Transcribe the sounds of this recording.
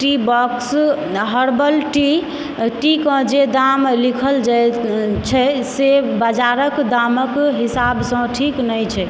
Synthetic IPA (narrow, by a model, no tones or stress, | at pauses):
ʈibɔks | ɦəɾbəlʈi | ʈikə̃d͡ʒed̪amlikʰəld͡ʒajt͡ʃʰɛsebəd͡ʒaɾəkd̪aməkɦisabsə̃ʈʰiknəjt͡ʃʰɛ